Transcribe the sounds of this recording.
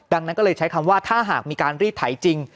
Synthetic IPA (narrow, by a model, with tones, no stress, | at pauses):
da˧ŋna˦˥nkɔ˥lɤː˧jt͡ɕʰa˦˥jkʰa˧mwaː˥˩t̪ʰaː˥˩ɦaː˨˩k̚miː˧kaː˧nɾiː˥˩p̚t̪ʰa˩˦jt͡ɕi˧ŋ